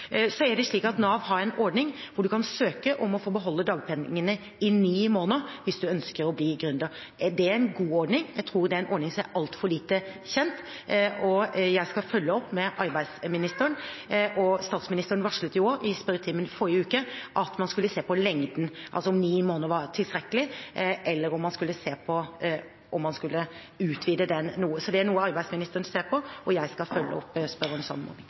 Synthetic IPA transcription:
sɔæɖɛʂɭiːkɑt̪noːɑʋɦɑːɾɛnɔɾɖnɪŋʋʊɖʉkʰɑnsøːkəʔɔmɔfoːbəɦɔlːəd̪ɑːɡpʰɛnɪŋənə | ɪniːmoːnəʋɪsd̪ʉœnskəɾɔbliːɡɾʉnd̪ə | d̪ɛæɾɛnɡuːɔɖɳɪŋjæɡt̪ʰɾuːɾd̪ɛæɾɛnʔɔɾɖɳnɪŋsɔmæɾʔɑlt̪fɔɭiːt̪əçɛnt̪ʔɔjæɪskɑfœlːəɔpːmɛʔɑɾbæɪd̪smɪnɪst̪əɾəɳnʔɔst̪ɑːt̪smɪnɪst̪əɾənʋɑʂɭʉt̪ːjʊoɾɪspœɾət̪ʰiːmənfɔɾːəʉːkəʔɑt̪mɑnskʉlːəseːpʰɔlɛŋd̪n̩ʔɑ̰lsɔɔmniːmoːnəɾʋɑɾʈ̪ʰɪlst̪ɾɛkːəlɪʔɛlːəɾɔmːɑnskʉlːəseːpʰɔ | ɔmːɑnskʉlːə | ʉːt̪ʰʋiːd̪əd̪ɛnːuːəsɔd̪ɛænuːəɑɾbæɪsmɪnɪst̪əɾənseːɾpʰɔʔɔjæɪskɑfœlːə̰ɔ̰pːspœɾɔnsɔ̰nːəmɔ̰nɪŋ

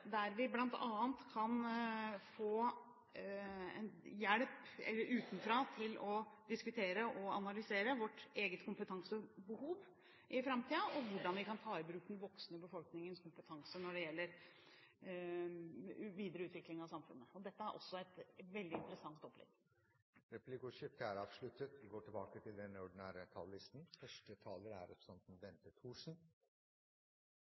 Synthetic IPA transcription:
d̪æɾʋɪblɑnt̪ɑːənt̪kʰɑn | foː | ɛ̰njæɽpɛ̰lːəɾʉːt̪nfɾɑːt̪ʰɪlɔd̪ɪskʉt̪ʰeːɾəʔɔɑnɑlʏseːɾəʋɔʈːeːɡət̪kʰʊmpət̪ʰɑŋsəbəhuːʋ | ʔɪfɾɑmt̪iːɑʔɔʋʊɖɑnʋɪkɑnt̪ʰɑːɪbɾʉːkːd̪ɛnʋɔksnəbəfɔlknɪŋənskʰʊmpət̪ʰɑŋsənɔɖɛjɛlːəɾ | ʋiːd̪əɾəʉːt̪ʋɪklɪŋɑʋsɑmfʉ̰nːəɔd̪ɛt̪ːəæɾʔɔsːɔæɪt̪ʋɛld̪ɪɪnt̪əɾəsɑŋt̪ɔpːlɛ̰ɡ̥ | ɾɛpʰlɪkʊʂɪp̚t̪əæɾɑːʋʂɭʉt̪ːət̪ʋɪɡoːʈʰɪlbɑːkət̪ʰɪld̪ɛnəɔɖɪnæːɾət̪ʰɑ̰ːlːɪst̪n̩fœʂʈət̪ʰɑːləɾæ̰ɾɛ̰psɛnt̪n̩ʋɛnt̪əʈ̪ʰuːʂn̩

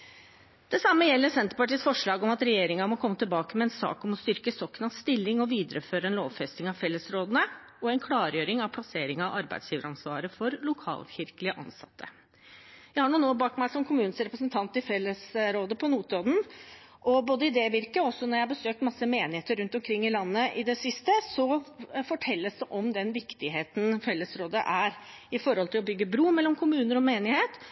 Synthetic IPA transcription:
d̪̥ɛsɑmːəjɛlːəɾsɛnt̪əɾpɑʈiːsfɔʂɭɑːɡɔmɑt̪ɾɛjeːɾɪŋɑmɔkʰɔmːət̪ʰɪlbɑːkəmɛɛnsɑ̰ːkɔmɔst̪ʏɾkəsɔkːnɑst̪ɪlːɪŋɔʋiːd̪əɾəføːɾəɛnloːʋfɛst̪ɪŋɑʋfɛlːəsɾoːd̪ənə | ɔɛnkʰlɑːɾjøːɾɪŋɑʋpʰlɑseːɾɪŋɑʔɑɾbæ̰ɪsjiːʋəɾɑnsʋɑ̰ːɾəfɔɾlʊkʰɑ̰ːlɕɪɾkəlɪəʔɑ̰nsɑ̰t̪ʰːə | jæɪhɑɳuːnoːbɑːkmæɪsɔmkʰʊmʉːnəsɾɛpɾəsənt̪ʰɑnt̪ɪfɛlːəsɾoːd̪əpʰɔnuːt̪ɾoːd̪n̩ | ʔɔboːd̪əɪd̪eːʋɪɾkəɔsːɔnɔɾjæɪhɑbəsøːk̚t̪mɑsːəmeːnɪheːt̪əɾʉnt̪ɔmkʰɾɪŋːɪlɑnːəʔɪd̪ɛsɪst̪əsɔfɔʈʰɛlːəsd̪ɛʔɔmd̪ɛnʋɪkt̪ɪɦeːt̪n̩fɛlːəsɾoːd̪ə̰ʔæɾ | ɪfɔɾhɔlt̪ʰɪlɔbʏɡːəbɾuːmɛlːɔmkʰʊmʉːnəɾɔmeːnɪheːt̪

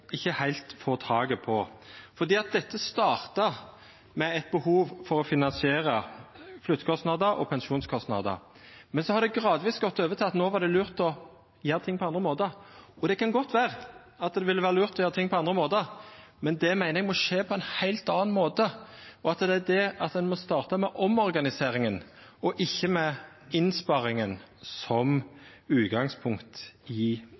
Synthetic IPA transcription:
ɪçːəhæɪlt̪foːt̪ʰɑːɡəpʰɔfɔɾd̪iːɑt̪̚d̪ɛt̪ːəst̪ɑːɾt̪ɑ | mɛɛt̪̚bəhuːʋfɔɾɔfɪnɑnsɪeːɾəflʉt̪ːkʰɔst̪nɑd̪əɾʔɔ̰pʰɛnʃuːnskʰɔst̪nɑ̰d̪ə̰ | mɛnsɔhɑɾd̪ɛɡʁɑːd̪ʋiːsɡɔt̪ːøːʋət̪ʰɪlɑt̪noːʋɑʁd̪ɛlʉːʁt̪ɔ | jeːɾət̪ʰɪŋːpʰɔɑnd̪ɾəmoːt̪əɔd̪ɛkʰɑnɡɔt̪ʰːʋæːʁə | ɑt̪d̪ɛʋɪlːəʋæːɾəlʉːʁt̪ʰɔjeːɾət̪ʰɪŋːpʰɔɑnd̪ʁɾəmoːd̪əmɛnd̪ɛmæɪnʁɛɡmɔʂeːpʰɔɛnhæɪlt̪ɑːɑnmoːt̪əɔɑt̪d̪ɛæd̪ɛɑt̪d̪ɛnmɔst̪ɑːʁt̪əmɛʔɔmɔɾɡɑnɪseːʁɪŋənɔʔɪçːəmɛ | ɪnspɑɾɪŋən | sɔm | ʉːt̪ɡɑŋspʰʊŋkt̪ɪ

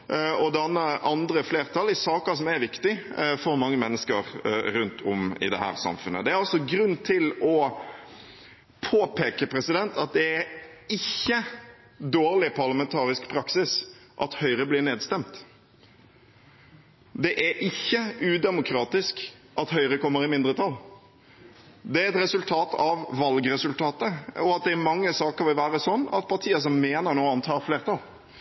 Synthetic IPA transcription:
ɔd̪ɛnːəʔɑnd̪ɾəfleːɾt̪ʰɑlɪsɑːkəsɔmæɾʋɪkt̪ɪfɔɾmɑŋːəmɛnːəskəɾɾʉnt̪ʰɔmɪ̰d̪ɛ̰hæ̰ːɾsɑ̰mfʉnːə̰d̪ɛɾɑlsɔɡɾʉnːt̪ʰɪlɔ | pʰoːpʰeːkəpʰɾɛsɪd̪ɛnt̪ɑt̪̚d̪ɛæɾɪçːə | d̪oːɾlɪpʰɑʁlɑmɛnt̪ʰɑːɾɪskpʰɾɑksɪsʔɑt̪hœʏɾəblɪɾneːd̪st̪ɛmt̪ | d̪ɛʔæʔɪçːəʉːd̪ɛmʊkʰɾɑːt̪ɪskʔɑt̪hœʏɾəkɔmːəɾɪmɪnd̪ɾət̪ʰɑlː | d̪ɛæɾɛt̪ɾɛsʉlt̪ʰɑːt̪ʰɑʋʋɑlɡɾɛsʉlt̪ʰɑːt̪əɔɑt̪̚d̪ɛæɾmɑŋːəsɑːkəɾʋɪlʋæːɾəsɔnːɑ̰t̪̚pʰɑɾʈ̪ʰiːəs̬ɔmːeːnəɾnoːɑnt̪ʰɑːɾfleːʁt̪ʰɑl

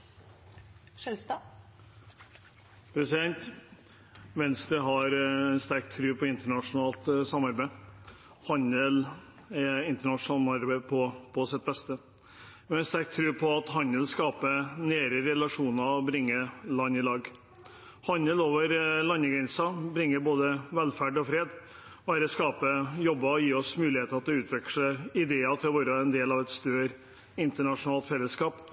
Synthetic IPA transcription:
pʰɾɛsɪd̪ɛnt̪ | ʋɛnst̪ɾəɦɑɾɛnst̪æɾk̚t̪ʰɾʉːpʰɔɪnt̪əɳɑʂʊnɑːlt̪sɑmːɑɾbæɪ | hɑnəl | ɛɪnt̪əɳɑʂnɑːlmɑɾbæɪpʰɔpʰɔsɪt̪̚bɛst̪ə | ɑɾɛnst̪æɾk̚t̪ʰːɾʉːpʰɔɑt̪ɦɑnəlskɑːpəneːɾəɾɛlɑʂuːnɑɔbɾɪŋːəlɑnːɪlɑːɡ | hɑnːəloːʋəɾlɑnːəɡɾɛnsɑbɾɪŋːəɾboːd̪əʋɛlfæɖɔfɾeːd̪ | ʋæːɾəskɑːpəjɔbːɑɔjiːɔsmʉːlɪheːt̪əɾɑt̪̚ːɛʉːt̪ʰʋɛkʂəɪd̪eːɑt̪ʰɪlɔʋoːɾəʋɛnd̪eːlɑʋɛt̪st̪øːɾ | ɪnt̪əɳɑʂʊnɑːlt̪fɛlːəskɑːp

